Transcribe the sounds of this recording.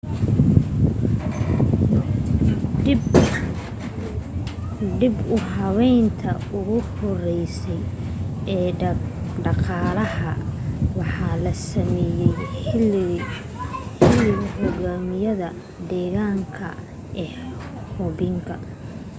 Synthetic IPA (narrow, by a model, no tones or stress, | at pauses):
ɖɪbʊɦɑβɛjnt̪ʰɐ̰ | ʊɣʊhɔrɛjsɛj | ɛː | ɖɑqɑːlɐhɐwɑħɑlɐsɐmɛːjɛj | hɪlɪlhɔɣaːmɪjɐðɐ | d̪ɛːɣaːŋkʰɐ̰ | ɛː | hɔβɪŋkʰɐ